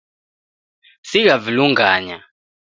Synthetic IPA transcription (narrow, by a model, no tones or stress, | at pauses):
siɣaviluŋɡaːɲa